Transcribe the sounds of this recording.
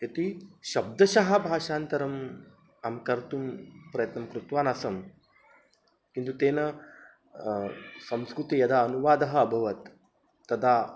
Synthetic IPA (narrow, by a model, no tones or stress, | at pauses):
jɐt̪iɕɐb̚d̪ɐɕɐɦɐ̆bʱaːʂaːnt̪ɐɾɐm | amkɐɾt̪uːmpɾɐjət̪nɐmkɾut̪ʋaːnɐsɐm | kint̪ut̪eːnɐ | sɐ̃m̃skɾut̪ijɐd̪aənuʋaːd̪ɐɦɐːbʱɐʋɐt̪ː | ɐd̪a